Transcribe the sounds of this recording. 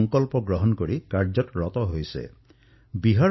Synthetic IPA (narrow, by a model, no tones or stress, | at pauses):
ŋkɔlpɔɡɾɔɦɔnkɔɾikaɾd͡ʒɔtɾɔt̪ɔɦojsḛ | biɦa